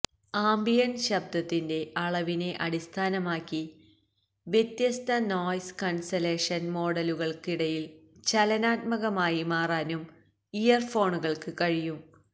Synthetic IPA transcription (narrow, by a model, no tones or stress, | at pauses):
aːmbijɐnɕɐb̚d̪ɐt̪ːinde̞ʔɐɭɐʋine̞ʔɐɽist̪ʰaːnɐmaːkːi | ʋje̞t̪jɐst̪ʰɐnoːjskɐnsɐle̞ːʂɐnmo̞ːɽɐluɣɐɭkiɽɐjilt͡ɕɐlɐnaːt̪̚mɐɣɐmaːjimaːraːnum | ijɐrfo̞ːɳuɣɐɭkɨkɐɻijum